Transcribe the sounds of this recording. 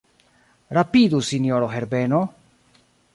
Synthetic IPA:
ɾapid̪usinjoɾoɦeɾbeno̞

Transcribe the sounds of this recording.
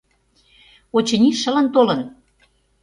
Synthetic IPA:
ot͡ɕə̆nʲiʃə̆lə̆nt̪olə̆n

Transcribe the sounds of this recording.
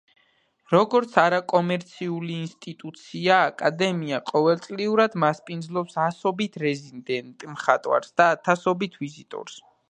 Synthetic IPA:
ɾɔɡɔɾt̪sʰaɾakʼɔmɛɾt̪sʰiuliːnst̪ʼit̪ʼut̪sʰiaːkʼad̪ɛmiaqʼɔvɛlˠt̪sʼliuɾad̪maspʼind̪zlˠɔpsasɔbit̪ʰɾɛzind̪ɛnt̪ʼmχat̪ʼwa̰ɾsd̪aːt̪ʰasɔbit̪ʰvizit̪ʼɔ̰ɾs

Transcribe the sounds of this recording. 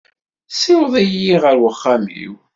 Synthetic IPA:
sɪwðˤijiʁəɾwəχːamḭw

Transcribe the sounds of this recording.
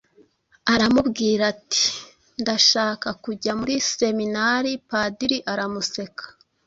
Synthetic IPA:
aɾamubɡiːɾati̥ | ndaʃaːkakuɟamuɾise̞minaɾipadiɾiʔaɾamuse̞kḁ

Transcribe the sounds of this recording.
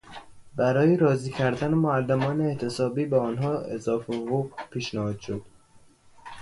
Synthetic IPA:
bæɾɒːjeɾɒːziːcʰæɾd̪ænemoælːemɒːneːt̪ʰesɒːbiːbeɒnɦɒːḛzɒːfeɣopʰiːʃnæhɒːd̪̥ʃod̪̥

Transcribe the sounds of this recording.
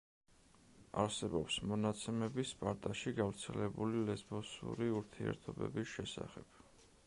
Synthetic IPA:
a̰ɾsɛbɔpsmɔnat̪sʰɛmɛbispʼaɾt̪ʼaʃiɡavɾt̪sʰɛlɛbulilɛzbɔsṵɾiuɾt̪ʰiɛ̰ɾt̪ʰɔbɛ̰bisʃɛsa̰χɛb̥

